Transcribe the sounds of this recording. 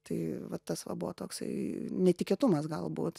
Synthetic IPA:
t̪ɐɪʋɐt̪ɐsʋɐ̰bʊʋo̰t̪oːksɐ̰ɪnʲɛt̪ʲɪkʲet̪ʊmɐsɡɐlˠbṵːt̪

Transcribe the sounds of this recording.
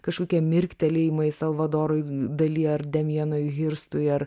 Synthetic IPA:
kɐʃkoːkʲiɛmʲɪɾʲkt̪ʲɛlʲɪmɐɪsɐlˠʋɐd̪oːɾojd̪ɐlʲiɐɾd̪ʲɛmʲjiɛnojɣʲɪɾst̪ʊjɐɾ

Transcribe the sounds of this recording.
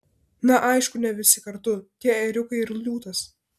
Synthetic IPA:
nɐʔɐɪʃkʊnʲɛʋʲɪsʲɪkɐɾt̪ʊt̪ʲiɛɛɾʲʊkɐɪɪɾlʲuːt̪ɐs

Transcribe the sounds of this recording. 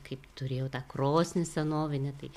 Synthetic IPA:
kɐɪpt̪ʊɾʲeːjɛʊt̪ɑːkroːsʲnʲɪsʲɛnoːʋʲɪnʲɛt̪ɐɪ

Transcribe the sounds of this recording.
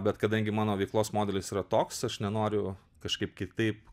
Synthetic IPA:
bʲɛt̪kɐd̪ɐŋʲɡʲɪmɑːnoːʋʲɛɪklˠoːsmoːd̪ʲɛlʲɪsiːɾɐt̪oːksɐʃnʲɛnoːɾʲʊ | kɐʃkɐɪp̚kʲɪt̪ɐɪp

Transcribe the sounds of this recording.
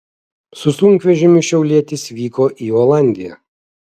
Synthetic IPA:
sʊsʊŋʲkʋʲɛʒʲɪmʲʊʃʲɛʊlʲiɛt̪ʲɪsʋʲiːkoːʔiːɔːlˠɑˑnʲd̪ʲɪjɛ̰

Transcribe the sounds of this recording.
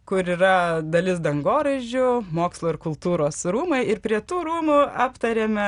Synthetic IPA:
kʊɾiːɾɐd̪ɐlʲɪsd̪ɐŋɡoːɾɐʒʲʊmoːkslˠoːɪɾkʊlˠt̪uːɾoːsɾuːmɐɪɪɾpʲɾʲiɛt̪uːɾuːmʊɑːpt̪ɐɾʲeːmʲɛ

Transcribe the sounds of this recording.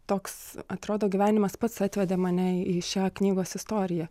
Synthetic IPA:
t̪oːksɐt̪ɾoːd̪oːɡʲiʋʲæːnʲɪmɐspɐt̪sɑt̪ʲʋʲɛd̪ʲeːmɐnʲɛiːʃʲæːknʲiːɡoːsɪst̪oːɾʲɪjɛ

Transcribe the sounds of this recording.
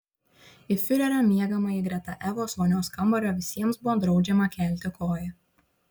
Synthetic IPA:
ɪfʲʊɾʲɛɾʲɐmʲiɛɡɐmɐɪɡɾʲɛt̪ɐʔɛʋoːsʋoːnʲoːskɐmbɐɾʲoːʋʲɪsʲiɛmsbʊʋoːd̪ɾɒʊd͡ʒʲɛmɐkʲɛˑlʲt̪ʲɪkoːjɛ

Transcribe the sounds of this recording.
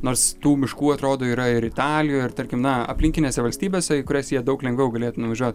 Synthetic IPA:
noːɾst̪uːmʲɪʃkuːɐt̪ɾoːd̪oːiːɾɐɪɾɪt̪ɑːlʲɪjoːɪrt̪ɐɾʲkʲɪmnɐɐ̰pʲlʲɪŋʲkʲɪnʲeːsʲɛʋɐlʲsʲt̪ʲiːbʲeːsʲɛkʊɾʲæsʲjiɛd̪ɐʊklʲɛŋɡʋʲɛʊɡɐlʲeːt̪ʊnʊʋɐʒʲuɔt̪

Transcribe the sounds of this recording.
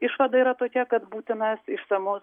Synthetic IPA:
ɪʃʋɐd̪ɐiːɾɐt̪oːkʲɛkɐt̪buːt̪ʲɪnɐsɪʃsɐmʊs

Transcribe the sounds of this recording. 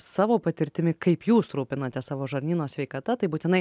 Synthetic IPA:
sɑːʋoːpɐt̪ʲɪɾʲt̪ʲɪmʲɪkɐɪpjuːst̪ɾuːpʲɪnɐt̪ʲɛsɑːʋoːʒɐɾʲnʲiːnoːsʲʋʲɛɪkɐt̪ɐt̪ɐɪbuːt̪ʲɪnɐɪ

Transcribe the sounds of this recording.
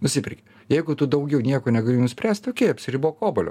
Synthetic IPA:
nʊsʲɪpʲɪɾʲkʲe | jɛɪɡʊt̪ʊd̪ɐʊɡʲɛʊnʲiɛkoːnʲɛɡɐlʲeːjnʊsʲpʲɾʲæːsʲt̪ʲt̪okʲeːɐpʲsʲɪɾʲiboːkoːbolʲo̰ː

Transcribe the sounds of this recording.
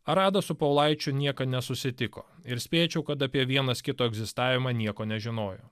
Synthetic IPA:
ɐɾɑːd̪ɐsʊpɐʊlˠɐɪt͡ʃʲʊnʲiɛkɐnʲɛsʊsʲɪt̪ʲɪko̰ːɪɾsʲpʲeːt͡ʃʲɛʊkɐt̪ɐpʲiɛʋʲiɛnɐskʲɪt̪oːɛɡzʲɪst̪ɑːʋʲɪmɑːnʲiɛkoːnʲɛʒʲɪnoːjo̰ː

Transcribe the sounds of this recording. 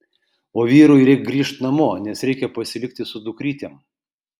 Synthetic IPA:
oːʋʲiːɾujɾʲɛɪk̚ɡɾʲiːʃt̪nɐmoːnʲɛsɾʲɛɪkʲɛpɐsʲɪlʲɪk̚ʲt̪ʲɪsʊd̪ʊkɾʲiːt̪ʲem

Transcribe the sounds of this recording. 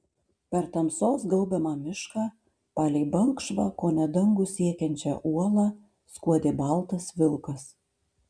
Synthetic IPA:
pʲɛɾt̪ɐmsoːsɡɐlˠbʲɛmɑːmʲɪʃkɑː | pɑːlʲɛɪbɐŋkʃʋɑkoːnʲɛd̪ɐŋɡʊsʲiɛkʲɛnʲt͡ʃʲɛ̰ʔuɔlˠɑː | skuɔd̪ʲeːbɐlˠt̪ɐsʋʲɪlˠkɐs

